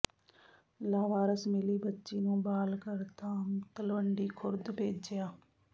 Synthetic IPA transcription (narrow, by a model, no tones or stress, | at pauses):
laːʋaːɾəsmɪliːbətːʃiːnũːbaːlkəɾt̪ãːmt̪əlʋəɳɖiːkʰʊɾd̪peːd͡ʒd͡ʒejaː